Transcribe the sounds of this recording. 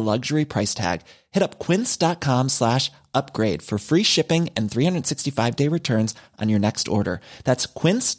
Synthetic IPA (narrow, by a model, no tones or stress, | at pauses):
lʌɡʒə˞ipʰɹ̥aɪstʰæ̰ɡ̥ | hɛɾʌpkʰw̥ɪ̃nsd̥ɑt̚kʰɑ̃mslæʃ | ʌp̚ɡ̥ɹeɪd̥fə˞fɹiʃɪpɪ̃ŋɨ̃nθɹihʌ̃ndɹəd̥sɪkstifaɪvdeɪɹɨtʰɜ̃˞nzʔn̩jə˞nɛkstɔ̰ɹɾə̰˞ðætskʰw̥ɪ̃ns